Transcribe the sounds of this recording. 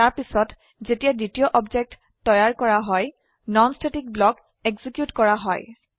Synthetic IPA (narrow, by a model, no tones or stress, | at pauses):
taɹpisɔt | zetijaditiɔʔɔbzek̚tːɔjaɹkɔɹaɦɔj | nɔnstʰetik̚blɔk | eɡzikjutkɔɹaɦɔ̰j